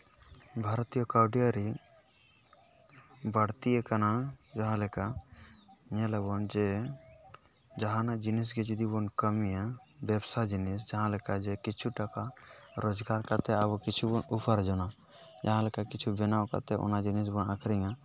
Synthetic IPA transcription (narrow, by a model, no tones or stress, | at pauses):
bʱaɾt̪ijɔkawɖijaɾi | baɽt̪iɛkanad͡ʒaɦãlɛka | ɲɛlɛbɔnd͡ʒɛ | d͡ʒaɦãnad͡ʒinis̬ɡɛd͡ʒid̪ibɔnkəmijabɛbsad͡ʒinɛs̬d͡ʒaɦãlɛkad͡ʒɛkit͡ʃʰuʈakaɾɔd͡ʒɡaɾkat̪ɛabɔkit͡ʃʰubɔnupʰaɾd͡ʒɔna | d͡ʒaɦãlɛkakit͡ʃʰubɛnawka̰t̪ɛʔɔ̰nad͡ʒinis̬bɔnakʰɾiŋa